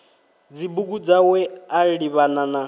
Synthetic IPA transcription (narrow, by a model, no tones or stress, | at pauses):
d͡zibuɡud͡zawɛaiɺiβanana